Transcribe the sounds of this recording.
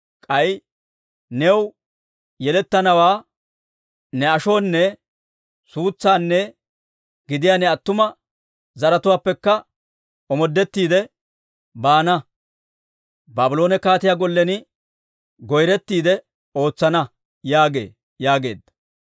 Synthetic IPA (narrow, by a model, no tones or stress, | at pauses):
kʼɐj | nɛw | jɛlɛt̪ːɐnɐwaː | nɛɐʃo̞ːnːɛ | suːt͡sːaːnːɛ | ɡɪd̪ɪjaːnɛɐt̪ːʊmɐ | zɐɾɐt̪ʊwaːpːɛkːɐ | ɔmɔd̪ːɛt̪ːiːd̪ɛ | baːnɐ | baːbʊlo̞ːnɛkaːt̪ɪjaːɡɔlːɛnɪ | ɡɔjɾɛt̪ːiːd̪ɛ | o̞ːt͡sːɐnɐ | jaːɡe̞̰ː | jaːɡe̞̰ːd̪ːɐ̥